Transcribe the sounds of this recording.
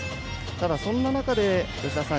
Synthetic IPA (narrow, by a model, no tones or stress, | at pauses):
t̪ad̪asõ̞nːanakad̪e̞bɯkasã